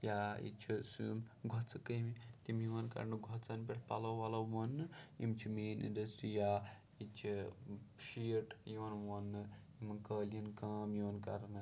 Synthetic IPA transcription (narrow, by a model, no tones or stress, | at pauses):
jaːḭt͡ʃʰisumɡʱot͡sɨkəmit̪imjiʋɐnkɐ̰ɾnɨɡʱot͡sɐnpeʈʰpalɐwʋalɐwʋɐnːɨḭmt͡ʃʰimeːnḭnɖɐstɾijaː | it͡ʃʰi | ʃiʈjunʋɐnːɨ | imkəːlinkaːmjuʋɐnkɐ̰ɾnɨ